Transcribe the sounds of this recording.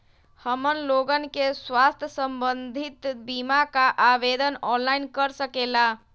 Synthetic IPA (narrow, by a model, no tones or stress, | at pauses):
həmənloɡənkeswast̪ʰjəsəmbənd̪ʱit̪bimakaʔabed̪ʱənɔnlainkəɾsəkela